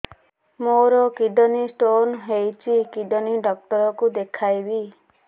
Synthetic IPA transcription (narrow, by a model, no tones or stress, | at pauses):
moɾɔkiɖɔnisʈonɦejt͡ʃʰikiɖɔniɖɔk̚ʈɔɾɔkud̪ekʰajbi